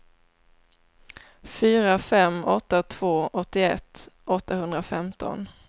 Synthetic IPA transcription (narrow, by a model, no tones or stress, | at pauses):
fyːɾafɛmɔt̪ːat̪ʰv̥oːʔɔt̪ːɪɛ̰t̪ːʔɔt̪ːahɵnd̪ɾafɛmt̪ʰɔ̰n